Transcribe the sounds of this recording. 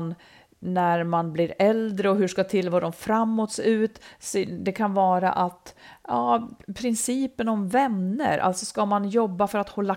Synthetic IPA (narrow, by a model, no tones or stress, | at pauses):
nː | æɾmanbliɾɛld̪ɾəɔɦɵʂkat̪ʰɪlːvɔːɾɔmfɾamːɔt̪sʉ̟ːt̪sɛd̪ɛkʰanvɑːɾa̰ʔat̪jɑːpʰɾɪnsiːpənɔmvɛnːə̰ɾʔa̰lt̪sɔskamanjɔbːafœɾat̪hɔlːa